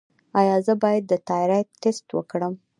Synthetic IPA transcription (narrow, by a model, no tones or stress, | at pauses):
ɑjɑzəbɑjad̪ːət̪ɑɾat̪est̪wə̰kɽəm